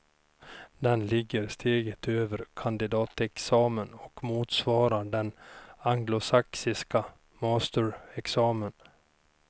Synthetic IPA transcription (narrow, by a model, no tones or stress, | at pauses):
d̪ɛnlɪɡːəɾst̪ʰeːɡət̪ʰøːvəɾkʰand̪ɪd̪ɑːt̪ɛksɑːmənɔkmuːt̪svɑːɾaɖɛnaŋɡlʊsaksɪska | mɑːst̪əɾɛksɑːmən